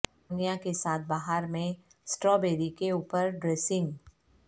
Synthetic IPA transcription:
nijãkesaːt̪̚ʰbaɦaɾmẽ | sʈɾɔːbeːɾikeuːpəɾɖɾeːsɪ̃ŋɡ

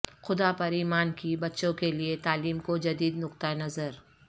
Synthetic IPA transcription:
xʊd̪apɐɾiːmaːnkibɐtːʃõkeliet̪aːliːmkod͡ʒɐd̪iːd̪nʊq̚t̪aenɐzəɾ

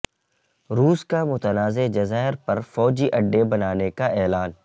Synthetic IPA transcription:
ɾuːskamʊt̪ənaːzed͡ʒɐzaːɦɪɾpɐɾfɔːd͡ʒiʔɐɖːebɐnaːnekaʔɛːlaːn

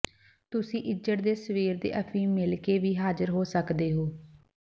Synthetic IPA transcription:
t̪ʊsĩːʔɪd͡ʒəʈ̚d̪eːsəʋiːɾd̪ḛːʔəpʰĩːmɪlkeːʋiːɦaːzəɾɦoːsəkd̪eːɦoː

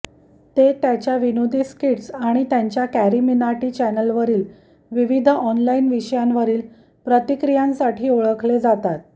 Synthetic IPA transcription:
t̪et̪jat͡ɕjaʋinod̪ʱiskiʈsaɽ̃it̪jaɲt͡ɕjakæɾiminaʈiːt͡ɕænəlʋəɾiːl | ʋiʋid̪ʱəɔnlainʋiɕəjanʋəɾiːl | pɾət̪ikɾijãnsaʈʰiːoɭəkʰled͡zat̪at̪̚

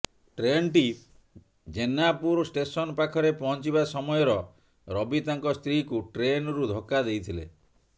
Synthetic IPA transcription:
ʈɾenʈi | d͡ʒenapuɾsʈesɔnɔpakʰɔɾepɔɦɔnt͡ʃibasɔmɔjɔɾɔ | ɾɔbit̪aŋkɔst̪ɾikuʈɾenɾud̪ʱokːad̪ejt̪ʰilḛ

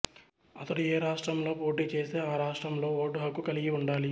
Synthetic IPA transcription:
ɐt̪ɐɽueːɾaːʂʈɾɐmlo̞ːpo̞ːʈiːt͡ʃe̞ːseːaːɾaːʂʈɾɐmlo̞ːoːʈːuɦɐkːukɐliɡiuɳɖaːli

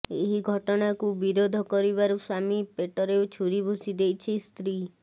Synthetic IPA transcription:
eɦiɡʱɔʈɔɽ̃akubiɾod̪ʱɔkɔɾiβaɾusamipeʈɔɾewt͡ʃʰuɾibʱusid̪ejt͡ʃʰist̪ɾi

